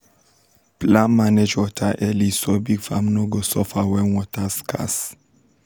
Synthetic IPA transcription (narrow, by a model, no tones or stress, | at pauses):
plãnmaned͡ʒwɔtʰaʔɛlisɔbiɡfa̰mnoɡosɔfawɛnwɔtʰaskʰa̰s